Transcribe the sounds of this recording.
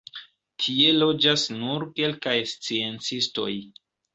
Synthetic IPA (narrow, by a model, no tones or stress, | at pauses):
tʰie̞lo̞d͡ʒasnuɾke̞lkajst͡sie̞nt͡sisto̞̰j